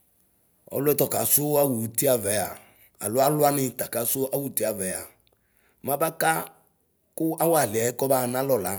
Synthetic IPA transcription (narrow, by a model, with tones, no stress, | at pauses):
ɔ̰˨lʊ˦ɛ˦tɔ˨ka˨sʊ˦a˦wu˨ti˦a˨vɛ˨˦a̰˨ | a̰˨lʊ˦a˦lʊ˦a˦nɪ˨t̪a˨ka˨sʊ˦ʔa˦wu˨tɪ˦a˨vɛ˨a˨ | mã˦ba˦ka˦ | kʊ˦a˦wa˨lɪ˨ɛ˨˦kɔ˦ba˦˨nã˦lɔ˨la˨